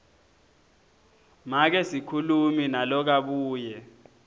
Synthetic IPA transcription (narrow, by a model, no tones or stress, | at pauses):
mak̬ɛsikʰuluminalɔk̬aɓuːjɛ